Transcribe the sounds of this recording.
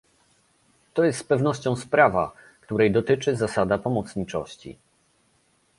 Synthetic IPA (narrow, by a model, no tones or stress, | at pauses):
t̪ɔjɛst̪spɛvnɔɕt͡ɕɔ̃w̃spɾava̰ | kt̪uɾɛjd̪ɔt̪ɘt͡ʂɘzasad̪apɔmɔt̪sɲit͡ʂɔ̰ɕt͡ɕḭ